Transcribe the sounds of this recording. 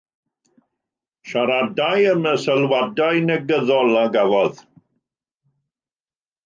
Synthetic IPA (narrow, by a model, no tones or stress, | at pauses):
ʃaɾadajəməsəlˠwadajnəɡəðɔlˠaɡavɔð